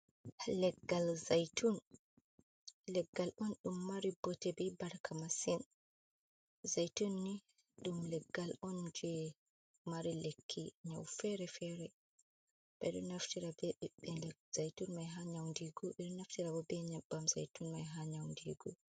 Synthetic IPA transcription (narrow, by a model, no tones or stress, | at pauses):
lɛɡːalzajtʰun | lɛɡːalʔɔnɗumːaɾibɔtɛbɛbaɾkʰamasin | zajtunːi | ɗumlɛɡːalɔnd͡ʒɛ | maɾilekʰːiɲawfɛɾɛfɛɾɛ | ɓ̥ɛɗɔnaftiɾabɛɛɓɛɛz̥ajtunmajɦaɲawndiɡɔɛɗɔnaftiɾabɔbɛɲabːamza̰jtunmajɦaɲawndiɡɔ̰